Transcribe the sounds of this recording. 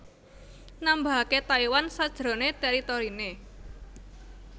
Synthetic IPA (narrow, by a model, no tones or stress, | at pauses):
namba̤ket̪aiwansad̥ʒ̥ɾo̤net̪ɛɾit̪oɾine